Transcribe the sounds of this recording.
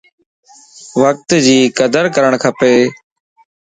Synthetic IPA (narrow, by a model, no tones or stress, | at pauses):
ʋək̚t̪d͡ʑiːkəd̪əɾkəɾəɳkʰəpeː